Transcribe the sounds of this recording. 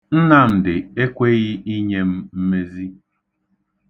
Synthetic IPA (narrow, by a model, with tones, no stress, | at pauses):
n̩˦na˦m̩˨dɪ˨e˦kʷe˦ɣɪ˦i˦ɲe˦m̩˦m̩˦me˦zi˦